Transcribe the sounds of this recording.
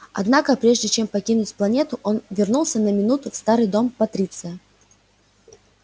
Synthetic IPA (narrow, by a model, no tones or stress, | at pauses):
ɐ̰d̪nakəpɾʲe̞ʐdʲɪt͡ɕe̞mpɐkʲinʊtʲplˠɐnʲet̪ʊʔo̞nvʲɪrnulˠsʲənəmʲɪnut̪ʊfst̪aɾɨjd̪o̞mpɐt̪ɾʲit̪sɨjə